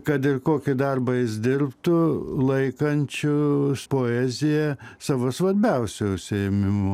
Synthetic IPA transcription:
kɐt̪ɪrkoːkʲɪd̪ɐrbɐjɪsd̪ʲɪrpt̪ʊlˠɐɪkɐnʲt͡ʃʲʊspoːɛːzʲɪjɛsɑːʋoːsʋɐɾʲbʲɛʊsʲʊʊʃʲsʲɪɛmʲɪmʊ

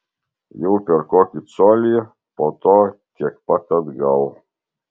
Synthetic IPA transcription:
jɛwpʲɛɾkɔkʲisɔlʲi | pɔt̪ɔt̪ʲɛkpakɐd̪ɡaw

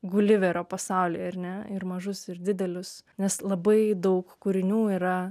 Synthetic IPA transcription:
ɡʊlʲɪʋʲɛɾʲoːpɐsɑʊlʲɪjɐɾʲnʲɛɪrmɐʒʊsɪrd̪ʲɪd̪ʲɛlʲʊsnʲɛslˠɐbɐɪd̪ɐʊkkuɾʲɪnʲuːiːɾɐ

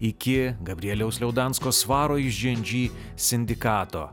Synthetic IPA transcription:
ɪkʲɪɡɐbʲɾʲɪɛlʲɛʊsʲlʲɛʊd̪ɑnskoːsʋɑːɾoːɪʒʲʒʲɛnʲd͡ʒʲiː | sʲɪnʲd̪ʲɪkɑːt̪o̰ː

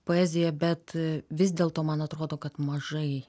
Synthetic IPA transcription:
poːɛːzʲɪjɛbʲɛt̪ʋʲɪs̬ʲd̪ʲeːlˠt̪oːmɐnɐt̪ɾoːd̪oːkɐt̪mɐʒɐɪ

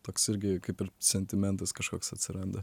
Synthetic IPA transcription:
t̪oːksɪɾʲɡʲɪkɐɪpɪɾsʲɛnʲt̪ʲɪmʲɛnt̪ɐskɐʃkoːksɐt̪ʲsʲɪɾɐnd̪ɐ

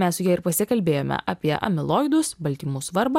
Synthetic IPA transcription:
mʲɛssʊjiɛɪɾpɐsʲɪkɐlʲbʲeːjoːmʲɛ̰ʔʔɐːpʲiɛʔɐ̰mʲɪlˠoːɪd̪ʊsbɐlʲt̪ʲiːmʊsʋɐɾbɐ

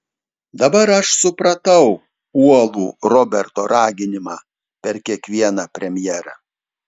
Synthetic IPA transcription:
d̪ɐbɐɾɐʃsʊpɾɐt̪ɐʊ | uɔlˠuːɾɔbʲɛɾt̪oːɾɑːɡʲɪnʲɪmɑː | pʲɛɾkʲiɛkʋʲiɛnɑːpʲɾʲɛmʲjɛːɾɑ̰ː

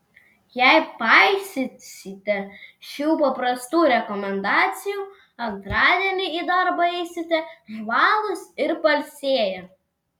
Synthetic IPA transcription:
jɛɪpɑɪsʲɪsʲɪt̪ʲɛʃʲuːpɐpɾɐst̪uːɾʲɛkɔmʲɛnd̪ɑːt̪sʲɪjuː | ɐnt̪ɾɑːd̪ʲiɛnʲɪiːd̪ɐɾbɐɛɪsʲɪt̪ʲɛʒʋɑːlˠʊsɪɾpɐlʲsʲeːjɛ

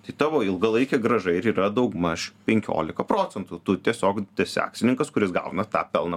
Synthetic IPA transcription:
t̪ɐɪt̪ɑːʋoːɪlˠɡɐlˠɐɪkʲɛɡɾɐʒɐɪɾiːɾɐd̪ɐʊɡmɐʃʲpʲɛŋʲkʲo̰ːlʲɪkɐpɾoːt͡s̪ʲɛnt̪ʊt̪ʊt̪ʲiɛsʲoːkd̪ʲɛsʲæ̰ːksʲɪnʲɪŋkɐskʊɾʲɪsɡɑ̰ʊnɐt̪ɑ̰ːpʲɛlˠnɐ

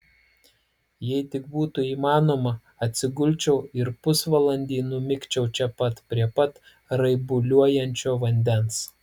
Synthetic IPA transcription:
jɛɪt̪ʲɪkbuːt̪ʊiːmɑːnoːmɐ | ɐt̪ʲsʲɪɡʊlʲˑt͡ʃʲɛʊɪɾpʊsʋɐlˠɐnʲd̪ʲiːnʊmʲɪkt͡ʃʲɛʊt͡ʃʲɛpɐt̪pʲɾʲiɛpɐt̪ | ɾɐɪbʊlʲuɔjɛnʲt͡ʃʲoːʋɐnʲd̪ʲɛns

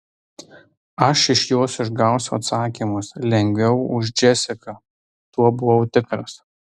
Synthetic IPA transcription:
ɐʃɪʃjoːsɪʒɡɑˑʊsʲʊɐ̰t̪sɑːkʲimʊslʲɛŋʲɡʲʋʲɛʊʊʒd͡ʒʲɛsʲɪkɐ | t̪uɔbʊʋɐʊt̪ʲɪkɾɐs

